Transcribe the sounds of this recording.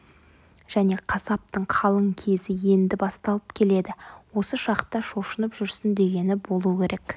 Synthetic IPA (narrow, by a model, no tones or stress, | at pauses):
ʒ̥æne̞qʰɑsɑp̚t̪əɴqʰɑlˠəɴkʲʰe̞zɪje̞nd̪ɪbɑst̪ɑlˠəpkʲʰe̞le̞d̪ɪwo̞səʃɑqt̪ɑʃo̞ʃənəpʒʏɾsɪnd̪e̞ɡʲe̞nɪbo̞lˠuəkʲʰe̞ɾʔe̞k